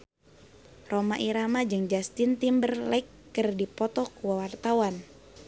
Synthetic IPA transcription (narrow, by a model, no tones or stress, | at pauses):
romaʔiɾamad͡ʒɨŋd͡ʒast̪int̪imbərlaikːərdipɔt̪ɔkuwawart̪awan